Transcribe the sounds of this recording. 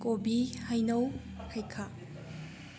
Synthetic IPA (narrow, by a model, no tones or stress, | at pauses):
kobihajnow | hajkʰa